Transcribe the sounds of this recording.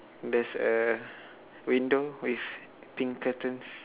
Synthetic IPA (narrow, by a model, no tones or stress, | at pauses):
dɛsə | wĩndowif | pĩŋkətə̃ns